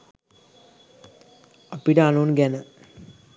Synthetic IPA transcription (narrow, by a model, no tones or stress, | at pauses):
apiʈəanunɡænə